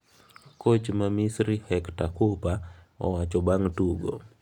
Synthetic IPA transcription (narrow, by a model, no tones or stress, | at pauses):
kot͡ʃmamisɾihɛktakupa | ɔ̰wat͡ʃɔbaŋtuɡo̰